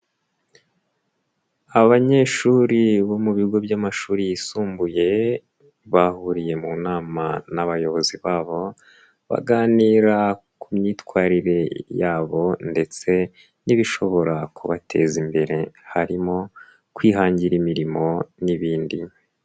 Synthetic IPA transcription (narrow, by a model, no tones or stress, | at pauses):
aβaɲe̞ːʃuːɾiβo̞muβiɡo̞bjamaʃuːɾijisuːmbuje̞ | βahuɾije̞munaːma̰naβajo̞βo̞ziβaːβo̞ | βa̰ɡaːniːɾa | kumɲiːtkwaːɾiɾe̞jaːβo̞nde̞t͡se̞ | niβiʃo̞βo̞ɾakuβatʰe̞zimbe̞ɾe̞haɾimo̞ | kwiːɦaːɲɟiɾimiɾimo̞niβiːndi